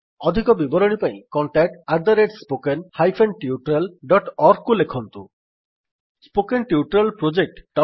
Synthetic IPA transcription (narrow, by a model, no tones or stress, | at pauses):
ɔd̪ʱikɔbibɔɾoɽ̃ipaj̃kɔɳʈaʈaɾd̪aɾeɖspokenhajfʰenʈiuʈɾelɖɔʈɔɾkːulekʰɔnt̪ṵ | spokenʈiuʈɾelpɾod͡ʑek̚ʈːɔ